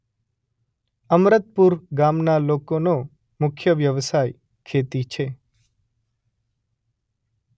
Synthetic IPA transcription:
əmɾət̪̚puɾɡamnalokono | mʊkʰjəʋjəʋsaj | kʰet̪it͡ʃʰe

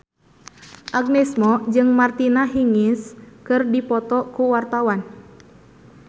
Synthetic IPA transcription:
ʔaɡ̚nɛsmɔd͡ʒɨŋmart̪inaɦiŋiskɨrdipɔt̪ɔkuwart̪awan

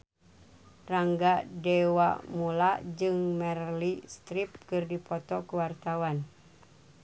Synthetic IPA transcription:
raŋɡadɛwamulad͡ʒɨŋmɛrlist̪ɾip̚kɨrdipɔt̪ɔkuwart̪awan

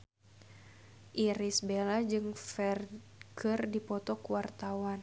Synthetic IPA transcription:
ʔiɾisbelad͡ʒɨŋfɛr | kɨrdipɔt̪ɔkuwart̪awan

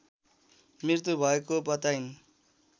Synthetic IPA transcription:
miɾt̪ubʱʌekobʌt̪ajn

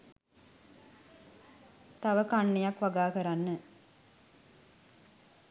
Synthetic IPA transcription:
t̪ɐʋəkanːejakʋaɡaːkəɾanːə

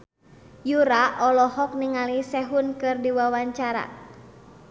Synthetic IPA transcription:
juɾaʔɔlɔhɔk̚niŋalisɛɦunkɨrdiwawaɲt͡ʃaɾa̰

